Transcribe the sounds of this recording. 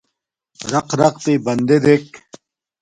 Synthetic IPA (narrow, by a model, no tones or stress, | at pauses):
ɾɐqɾɐq̚t̪ibɐnd̪ed̪ek̚